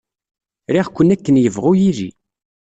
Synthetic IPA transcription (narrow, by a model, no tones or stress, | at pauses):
ɾiʁkʷːənækːənjəvʁʊjilḭ